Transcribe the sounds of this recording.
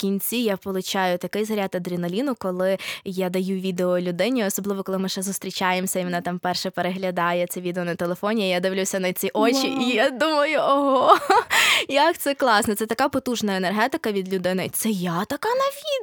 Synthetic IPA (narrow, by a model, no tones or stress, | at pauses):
kʲinʲt͡sʲijapɔlˠʊt͡ʃɑjʊt̪ɐkɪjzɐɾʲat̪ɐd̪ɾʲinɐlʲinʊkɔlˠɪjad̪ɐjuʋʲid̪eɔlʲʊd̪ɪnʲiɔsɔblˠɪʋɔkɔlˠɪmɪʃɛzʊst̪ɾʲit͡ʃajemsʲɐimɔnat̪ɑmpɛrʃɛpeɾeɦlʲɐd̪ɑjɛt̪sɛʋʲid̪eɔnɐt̪elˠefɔnʲijijad̪ɪʋlʲusʲɐnɐt͡sʲiʔot͡ʃʲiʔijad̪umɐjʊɔɦɔ | jɐkt̪sɛklˠɑsnɛt̪sɛt̪ɐkɑpɔt̪uʒnɐenerɦɛt̪ɪkɐʋʲid̪lʲʊd̪ɪnɪt̪sɛjat̪ɐkɑnɐʋʲid̪